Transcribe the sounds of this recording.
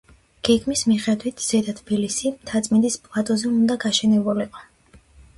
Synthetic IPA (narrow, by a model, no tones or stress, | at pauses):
ɡ̥ɛɡmismiχɛd̪wit̪ʰz̥ɛd̪at̪ʰbilisimt̪ʰat̪sʼmind̪ispʼlˠat̪ʼɔzɛund̪aɡaʃɛnɛbuliqʼɔ̥